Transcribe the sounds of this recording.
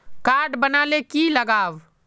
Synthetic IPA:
kaːɾɖbənaːlekiləɡaːʋ

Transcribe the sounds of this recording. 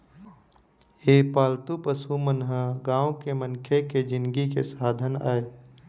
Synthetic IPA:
eːpaːlt̪upəsumənɦəɡãːõkemənkʰeked͡ʒɪnɡikḛsaːd̪ʱəna̰ːe

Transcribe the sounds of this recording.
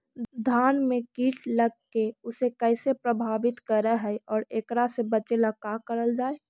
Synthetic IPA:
d̪ʱaːnmẽkiːʈʰləɡ̚keʊsekɛɪsepɾəbʱaːbɪt̪kəɾəɦɛʔɔːɾeːkɾasebət͡ʃeləkakəɾəld͡ʒaːe

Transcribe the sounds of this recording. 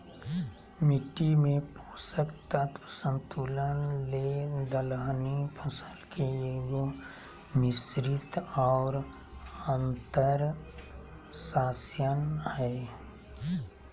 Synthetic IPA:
mɪʈimẽpoːsəkt̪ət̪sə̃nt̪uləled̪əlɦnipʰəsəlkʰeeɡo | mɪsɾɪt̪ɔːɾ | ə̃nt̪əɾ | saːsjənhɛː

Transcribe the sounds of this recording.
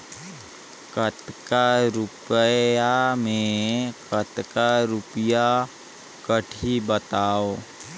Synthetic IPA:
kət̪kaɾʊpəjamẽkət̪kaɾʊpəja | kəʈʰibət̪aːoː

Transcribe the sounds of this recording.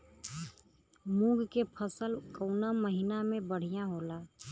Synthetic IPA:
mũɡʱkepʰəsəlkəʊnaməɦinamẽbəɽ̤ijãɦolaː

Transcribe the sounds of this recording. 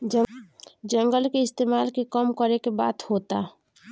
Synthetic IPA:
d͡ʒə̃ŋɡəlkeɪst̪eːmaːlkekəmkəɾekeba̰ːt̪hoːt̪a

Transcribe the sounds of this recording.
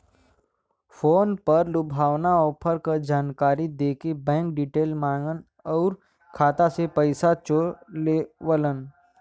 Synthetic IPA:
fʰoːnpɐɾlʊbʱaːwnaɔːpʰəɾkad͡ʒaːnkaːɾid̪eːkebɛ̃ːŋk̚ɖiːʈeːlmãːŋɡən | ɔːɾ | kʰaːt̪asepəɪsat͡ʃolewələn

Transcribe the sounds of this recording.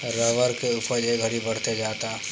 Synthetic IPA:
ɾəʋəɾkeʊpəɾd͡ʒeɡʱəɽibəɽ̤t̪ed͡ʒaːt̪a

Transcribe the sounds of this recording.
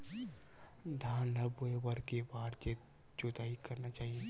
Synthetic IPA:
d̪ʱãːnlɐboebɐɾkebaːɾd͡ʒe | t͡ʃot̪aːikɐɾnat͡ʃaːɦieː

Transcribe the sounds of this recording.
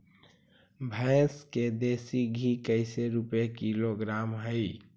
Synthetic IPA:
bʱəɪsked̪esiɡʱikəɪseɾupekiloɡɾamɦəɪ

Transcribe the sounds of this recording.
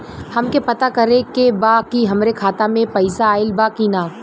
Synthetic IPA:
hɐmkepɐt̪akɐɾẽkebakiɦɐmɾekʰaːt̪amẽpɐɪsaːɪlbakinaː

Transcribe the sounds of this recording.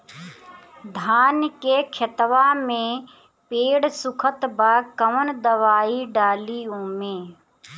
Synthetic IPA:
d̪ʱaːnkekʰət̪ʋaːmẽ | peːɽsʊkʰət̪bakəʋənd̪əʋaːiɖaːliõːmẽː

